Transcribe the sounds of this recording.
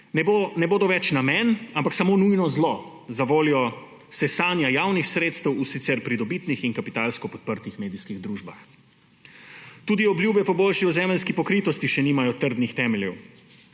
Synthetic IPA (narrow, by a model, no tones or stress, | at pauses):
nɛbonɛboːd̪ɔʋɛt͡ʃnamɛnampaksamoːnujnɔzlɔ | zaʋoːljɔ | sɛsaːnjajawnixsɾeːt̪st̪ɛwusit̪sɛɾpɾid̪ɔbit̪nixinkapit̪aːlskɔpɔt̪̚pəɾt̪ixmeːd̪iskiɣd̪ɾuːʒba̰x | t̪uːd̪iɔbljuːbɛpɔboːlʃiɔzɛmɛlskipɔkɾiːt̪ɔst̪iʃɛniːmajɔt̪əɾd̪nixt̪ɛːmɛljɛ̰w